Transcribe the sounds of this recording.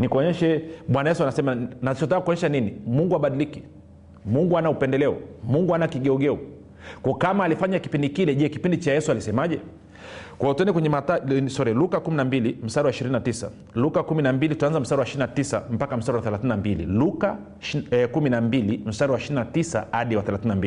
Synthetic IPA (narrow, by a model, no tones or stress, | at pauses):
nikuɔɲɛʃɛɓwanajɛs̬uanasɛmanasit͡ʃɔtakakuɔɲɛʃaninimuŋɡuaɓaɗiliki | muŋɡuanaupɛndɛlɛɔ̰muŋɡuanakiɠɛɔɡɛu | kɔɔkamaːlifaɲaki̥pindikilɛʄɛkipindit͡ʃajɛsualisɛmaʄɛ | kwajɔtuɛndɛkwɛɲɛmatasɔɾɛlukakuminambilim̩saɾiwaiʃiɾininatisa̰ | lukakuminambilitutanzam̩saɾiwaʃiɾinatisa̰m̩pakam̩saɾiwaθɛlaθininambilḭluka | kuminambilim̩saɾiwaiʃiɾinatisa̰haɗiwaθɛlaθininambili